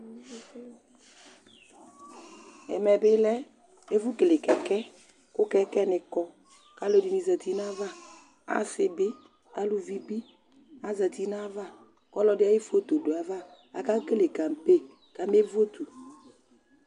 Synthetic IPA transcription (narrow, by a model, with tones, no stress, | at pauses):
ɛ̰˨mɛ˨bɪ˦lɛ˦ | e˦vu˦ke˨lɪ˨kɛ˨kɛ˦ | kʊ˦kɛ˦kɛ˦nɪ˨kɔ˦ | ka˦lo˦˨di˨˦ni˨zə˨t̪i˦n˦a˦va˦ | a̰˦sɪ˨bɪ˦ | a˦lu˨vi˦bi˦ | a˨˦zə˨t̪i˦n˦a˦va˦˨ | kɔ˦lɔ˨˦dɪ˦a˦ji˦fo˦t̪o˨do˨a˨va˦˨ | a˨ka˦ke˦le˨ka˨m̩˨pe˦˨ | ka˨m˦e˦vu˦o˦t̪u˨